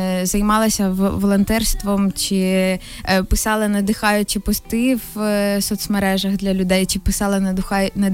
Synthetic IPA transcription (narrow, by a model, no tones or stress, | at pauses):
zɐjmɑlˠɐsʲɐʋɔlˠɔnt̪ɛrst̪ʋɔmt͡ʃɪ | pɪsɑlˠɪnɐd̪ɪxɑjʊt͡ʃɪpɔst̪ɪwsɔt̪smeɾɛʒɐɣd̪lʲɐlʲʊd̪ɛjt͡ʃɪpɪsɑlˠɪʊxɑjnɐ